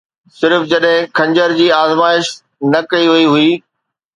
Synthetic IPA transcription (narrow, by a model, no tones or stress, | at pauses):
sɪɾfd͡ʑɐɗɦɪ̃kʰɐ̃ɲd͡ʑəɾd͡ʑiːaːzmaːɪʃ | nɐkɐiɦɐiɦʊiː